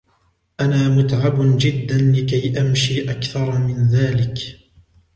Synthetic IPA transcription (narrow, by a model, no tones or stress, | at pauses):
ʔanaːmʊt̪ʕabd͡ʒɪd̪ːanlɪkajʔamʃiːʔakθɑɾˤmɪnðaːlɪk